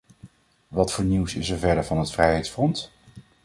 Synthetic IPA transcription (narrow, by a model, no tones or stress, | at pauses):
ʋɑtfʊːɹniwsɪsɛɹvɛɹdəɹvɑnɦətfrɛjɦɛjtsfrɔnt